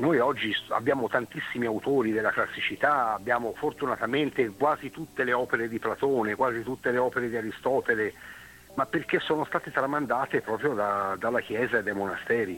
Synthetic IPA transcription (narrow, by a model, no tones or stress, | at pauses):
nojɔd͡ʒːia̰bːjaːmot̪ant̪isːimiawt̪oːɾid̪elːaklasːit͡ʃit̪aabːjaːmofort̪unat̪ament̪ekwaːzit̪ut̪ːeleɔːpeɾed̪iplat̪oːnekwaːzit̪ut̪ːeleɔːpeɾed̪iaɾist̪ɔːt̪ele | mapːerk̟esːoːnost̪aːt̪et̪ɾamand̪aːt̪epɾɔːpɾjod̪ad̪alːak̟jɛːzaed̪ːajmonast̪ɛːɾi